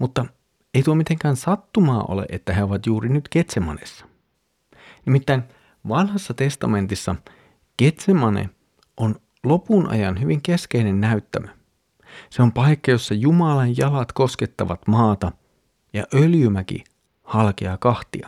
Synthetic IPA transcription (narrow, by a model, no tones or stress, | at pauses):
mut̪ːɑ | eit̪uomit̪eŋkæːnsɑt̪ːumɑːʔo̰lḛʔet̪ːæɦeo̞ʋɑt̪juːrinyt̪ke̞t̪semɑ̰nḛsːɑ̥ | nimit̪ːæin | ʋɑnhɑsːɑt̪e̞st̪ɑme̞nt̪isːɑ | ke̞t̪semɑnḛ | ʔon | lopunʔɑ̰jɑnɦyʋiŋke̞ske̞inenːæyt̪ːæmø | seompɑjkːɑjo̞sːɑjumɑlɑjjɑlɑt̪ko̞ske̞t̪ːɑʋɑt̪mɑːt̪ɑ | jɑ̰ʔøljymækḭ | hɑlkeɑkɑht̪iɑ̰